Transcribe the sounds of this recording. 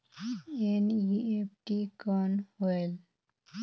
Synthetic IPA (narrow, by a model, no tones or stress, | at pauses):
eniepʈikənhoel